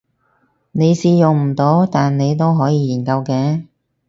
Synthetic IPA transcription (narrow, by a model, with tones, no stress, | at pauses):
ne˨˧jsiː˧jʊ˨ŋm̩˨˩t̪o˨˥wt̪aː˨nne˨˧jt̪o˥wɦɔː˨˥jiː˨˧jiː˨˩nkɐ˧wkɛː˧